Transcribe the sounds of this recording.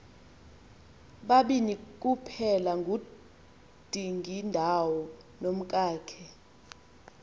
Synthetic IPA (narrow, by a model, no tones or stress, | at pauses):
ɓaɓinik̬ʼupʰɛlaŋɡʱu | d̥ʱiŋʱindʱawɔ | nom̩kʼaːkʰɛ